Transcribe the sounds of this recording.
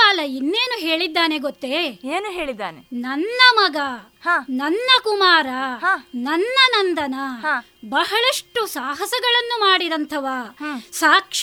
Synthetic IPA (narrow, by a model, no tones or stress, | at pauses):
aːlɐinːe̞ːnuɦe̞ːɭid̪ːaːneɡot̪ːeeːnuɦeːɭid̪ːa̰ːnenɐnːɐmɐɡɐ | haːnɐnːɐkumaːɾɐnɐnːɐnɐnd̪ɐnɐ | bɐɦɐɭɐʂʈusaːɦɐsɐɡɐɭɐnːumaːɽid̪ɐnt̪ʰɐʋaːsaːkʂ